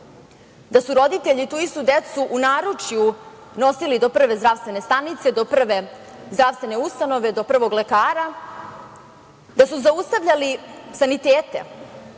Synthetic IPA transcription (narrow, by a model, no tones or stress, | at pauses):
d̪asuɾo̞d̪it̪e̞ʎit̪uːist̪ud̪et̪suʔunaːɾut͡ʂju | no̞silid̪o̞pr̩ʋe̞zd̪ɾaʋst̪ve̞ne̞st̪anit̪se̞d̪opr̩ʋe | zd̪ɾaːʋst̪ve̞ne̞ust̪ano̞ʋe̞d̪opr̩ʋo̞ɡle̞kaːɾa | d̪asuzaust̪aʋʎalisanit̪eːt̪e̞̰